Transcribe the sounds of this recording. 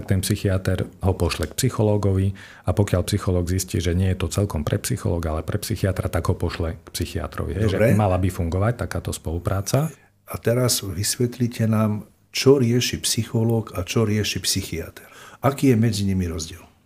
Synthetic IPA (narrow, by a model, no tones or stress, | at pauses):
akt̪ɛnpsixiat̪ɛɾɦɔpɔʃlɛkpsixɔlɔːɡɔʋi | apɔkɪalpsixɔlɔːɡziscḭːʒɛɲɪɛjɛt̪ɔt͡sɛlkɔmpɾɛpsixɔ̰lɔːɡalɛpɾɛpsixiat̪ɾat̪aɡɦɔpɔʃlɛkpsixia̰t̪ɾɔ̰ʋḭɦɛjʒɛɛmalabifuŋɡɔʋac̚t̪akaːt̪ɔspɔlupɾaːt͡sa | at̪ɛɾazʋisʋɛt̪licʰɛnaːm | t͡ʃɔɾɪɛʃipsixɔlɔːkat͡ʃɔɾɪɛʃipsixiat̪ʰɛ̥ɾakiːjɛmɛd͡ziɲimiɾɔzɟɪɛl